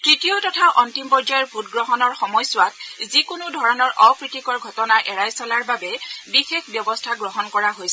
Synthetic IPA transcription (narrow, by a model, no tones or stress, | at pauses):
tɹitijɔtɔtʰaʔɔntimpɔɹzajɔɹbʱutɡɹɔɦɔnɔɹxɔmɔjsʊwatzikʊnʊdʱɔɹɔnɔɹʔɔpɹitikɔɹɡʱɔtɔnaʔɛɹajsɔlaɹbabɛbixexbjɔbɔstʰaɡɹɔɦɔnkɔɹaɦojsɛ